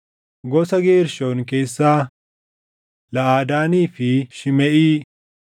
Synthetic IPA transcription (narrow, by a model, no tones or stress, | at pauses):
ɡɔsɐɡe̞ːɾʃoːnke̞ːsːaː | lɐʔaːd̪aːniːfɪʃɪmɛʔiː